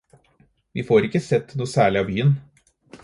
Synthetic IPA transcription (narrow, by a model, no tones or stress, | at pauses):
ʋḭːfoːɾɪkːəsɛt̪ːnuːəsæːɭɪɑːbyːən